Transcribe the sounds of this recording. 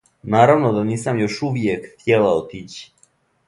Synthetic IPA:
naːɾaʋnod̪aniːsamjoʃuʋjekxt̪jelaot̪iːt͡ɕi̥

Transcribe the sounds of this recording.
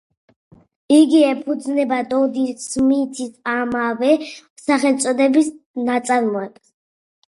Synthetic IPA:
iɡiɛpʰud̪znɛbad̪ɔd̪ismit̪ʰisamavɛsaχɛlt̪sʼɔd̪ɛbisnat̪sʼaɾmɔɛpʰʼs

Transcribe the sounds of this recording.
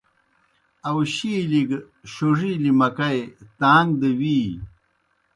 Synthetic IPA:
ɐwɕiliɡ | ɕoʐilimɐkɐjt̪aːŋɡd̪ɐwi

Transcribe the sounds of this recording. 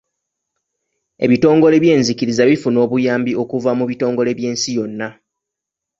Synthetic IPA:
e̞̰βito̞ːŋɡo̞le̞βje̞ːnzikiɾizaβifuno̞ːβujaːmbio̞kuvamuβito̞ːŋɡo̞le̞βje̞ːnsijo̞nːa

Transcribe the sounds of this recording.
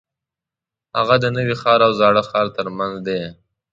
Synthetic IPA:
haɣad̪ənəwixɑɾawzɑɽəxɑɾt̪əɾmanzd̪e

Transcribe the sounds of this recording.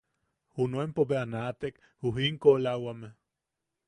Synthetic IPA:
hunoempoβeanat̪ek | huɦiŋkolawameh

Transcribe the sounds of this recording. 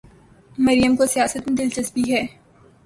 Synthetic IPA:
mɐɾjəmkosijaːsət̪mẽd̪ɪlt͡ʃɐsbiɦɛː

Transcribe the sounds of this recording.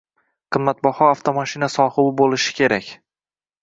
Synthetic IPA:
qʰɨmːat̪̚bɒhɒaft̪ʰomaʃinasɒhɨbɪbolɪʃɪ̥kʲʰe̞ɾakʲ

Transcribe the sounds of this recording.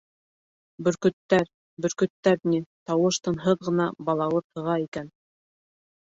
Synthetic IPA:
bɵ̆ɾkɵ̆t̪ːæɾ | bɵ̆ɾkɵ̆t̪ːæɾnit̪ɑwɤʃt̪ɤ̆nɦɤðʁɤ̆nɑbɑlˠɑw̪ˠɤt̪ʰɤ̆ʁɑikæn

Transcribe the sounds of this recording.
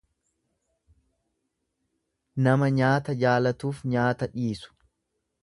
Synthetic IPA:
nɐmɐɲaːt̪ɐd͡ʒaːlɐt̪uːfɲaːt̪ɐᶑiːsʊ̥

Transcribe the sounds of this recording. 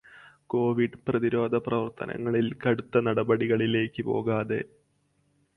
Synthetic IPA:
ko̞ːʋiɖprɐðiɾo̞ːd̪ʱɐprɐʋɐrt̪ʰɐ̰nʔɐ̰ŋːɐɭilkɐɽut̪ːɐnɐɽɐbɐɽiɣɐɭile̞ːkːɨpo̞̰ːɣaːðe̞̰

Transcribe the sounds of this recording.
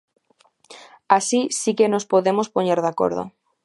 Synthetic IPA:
asisikenospoðemospoɲeɾðako̰ɾðo̰

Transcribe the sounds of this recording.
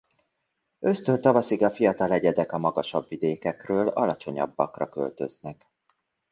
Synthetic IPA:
ø̞st̪ønt̪ɒvɒsiɡɒfijɒt̪ɒlɛɟɛd̪ɛkɒmɒɡɒʃɒbvid̪eːkɛkrøːlɒ̰lɒt͡ʃo̞ɲɒ̰bːɒkrɒkø̰lt̪ø̞̰znɛk

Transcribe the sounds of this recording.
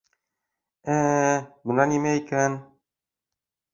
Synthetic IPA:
æbɤ̆nɑnimæikæn

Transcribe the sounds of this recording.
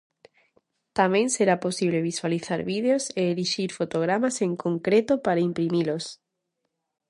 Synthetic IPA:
t̪amẽnseɾaposiβ̞leβiswaliθaɾβið̞eoseːɾiʃiɾfot̪oɣ̞ɾamaseŋkõŋkɾet̪opaɾaimpɾimilos

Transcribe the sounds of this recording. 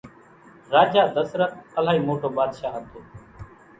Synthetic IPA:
ɾaːd͡ʒaːd̪əsɾət̪̚əlaːɦiːmoːʈʰoːɓaːd̪ʃaːɦət̪ʰoː

